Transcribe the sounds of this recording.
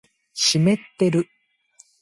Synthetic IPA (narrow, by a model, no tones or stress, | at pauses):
ɕime̞t̪ːe̞ɾɯ̟